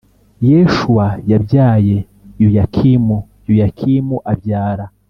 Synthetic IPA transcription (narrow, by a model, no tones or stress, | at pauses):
jeʃuwajabjaːje̞ | jujakʰimu | jujakʰimuʔabjaːɾa